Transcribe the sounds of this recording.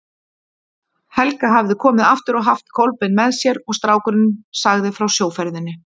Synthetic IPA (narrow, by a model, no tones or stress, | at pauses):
hɛlkaɦavðɪkʰɔːmɪðaft̪ɪɾɔɣɦaft̪̚kʰowlpɪnmɛðsjɛɾɔɣst̪ɾaːwkʏɾɪnsaɣðɪfɾawsjoːwfɛɾðɪnːɪ